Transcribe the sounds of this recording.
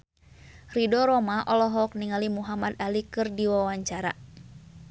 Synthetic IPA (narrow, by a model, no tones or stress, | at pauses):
ridɔɾɔmaʔɔlɔɦɔk̚niŋalimuɦamad̪alikɨrdiwawaɲt͡ʃaɾa̰